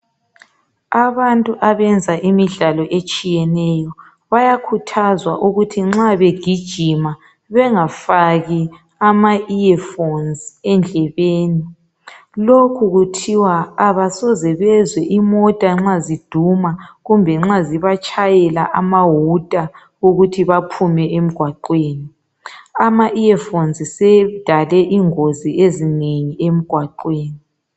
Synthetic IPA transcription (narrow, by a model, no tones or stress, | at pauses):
aβantʼuʔaβɛnd͡zʱaʔimiɮalɔʔet͡ʃʼijɛnɛjɔ | βajakʰutʰazwaʔuɣutʰiŋ͡ǁaβeɡ̥ʱid̥ʒ̥ʱima | βɛŋafaɣi | amaiɛfonzɛnd͡ɮʱɛβeːni | lokʰuɣutʰiwaːβasɔzɛβɛzwɛʔimɔtʼaŋ͡ǁazid̥ʱumaɣumbʱɛŋ͡ǁaziβat͡ʃʼʰajɛlaʔamaɦutʼa | ɣuɣutʰiβapʰumɛʔem̩ɡ̥ʱwaǃweːni | amaʔiɛfonzisɛd̥ʱalɛʔiŋoziezineɲiem̩ɡ̥ʱwaǃweːni